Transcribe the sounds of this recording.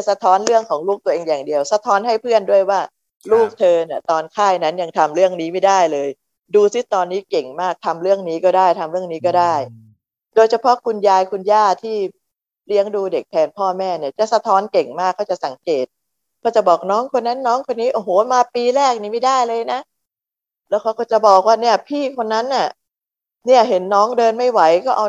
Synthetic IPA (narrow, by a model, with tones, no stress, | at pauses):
sa˧t̪ʰɔː˦˥nɾɯ˥˩əŋkʰɔː˩˦ŋluː˥˩k̚t̪u˧əʔeː˧ŋjaː˨˩ŋdi˧əwsa˧t̪ʰɔː˦˥nhɦa˥˩jpʰɯ˥˩əndu˥˩əjwaː˥˩ | luː˥˩k̚t̪ʰɤː˧ni˨˥˩ɐt̪ɔː˧nkʰaː˥˩jna˦˥nja˧ŋt̪ʰa˧mɾɯ˥˩əŋniː˦˥ma˥˩jdaː˥˩jlɤː˧j | duː˧si˦˥˩t̪ɔː˧nːiː˦˥ke˨˩ŋmaː˥˩k̚t̪ʰa˧mɾɯ˥˩əŋniː˦˥kɔː˥˩daː˥˩jt̪ʰa˧mɾɯ˥˩əŋniː˦˥kɔː˥˩daː˥˩j | doː˧jt͡ɕʰa˧pʰɔ˦˥kʰu˧njaː˧jkʰu˧njaː˥˩t̪ʰiː˥˩ | li˦˥əŋduː˧de˨˩k̚pʰɛː˧npʰɔː˥˩mɛː˥˩ni˥˩ɐt͡ɕa˨˩sa˧t̪ʰɔː˦˥nke˨˩ŋmaː˥˩kʰːa˥˩wt͡ɕa˨˩sa˩˦ŋkeː˨˩t̪̚ | kʰaː˦˥˩t͡ɕa˨˩bɔː˨˩k̚nɔː˦˥ŋkʰo˧nːa˦˥nːɔː˦˥ŋkʰo˧nːiː˦˥ʔoː˧˩ɦoː˨˩˦maː˧piː˧ɾɛː˥˩k̚ni˨˩ma˥˩jdaː˥˩jlɤː˧jna˦˥ | lɛː˦˥wkʰa˦˥wkɔː˥˩t͡ɕa˨˩bɔː˨˩k̚waː˥˩ni˥˩ɐpʰiː˥˩kʰo˧nːa˦˥nʔa˨˩ | ni˥˩ɐɦe˩˦nːɔː˦˥ŋdɤː˧nma˥˩jwa˩˦jkɔː˥˩ʔa˧